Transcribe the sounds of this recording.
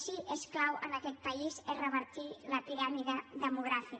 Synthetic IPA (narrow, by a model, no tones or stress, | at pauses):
ʃiʔesklawʔənakɛt̪̚paizerəβəɾt̪ilatiɾamiðəðəmuɣɾafi